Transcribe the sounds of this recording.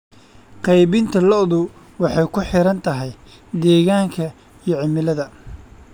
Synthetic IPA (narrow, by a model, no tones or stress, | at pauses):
qɑjβɪnt̪ʰɐlɔʔðʊ | wɑħɑjkʰʊħɪɾɐnt̪ʰɐɦɛj | d̪ɛːɣaːŋkʰɐ | ijɞʕɪmɪlɐðɐ